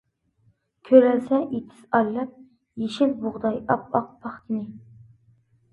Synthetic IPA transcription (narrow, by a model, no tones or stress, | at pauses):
kʲʰøɾælsɛʔet̪ʰɪ̥sɑjlˠɑp̚ | jeʃɪlbʊʁd̪ɑjɑpɑq̚bʰɑχk̪ʰʲɪnɪ